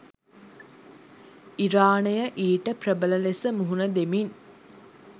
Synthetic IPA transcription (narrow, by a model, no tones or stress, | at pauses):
iɾaːnəjəʔiːʈəprəbələlesəmuɦunəd̪emin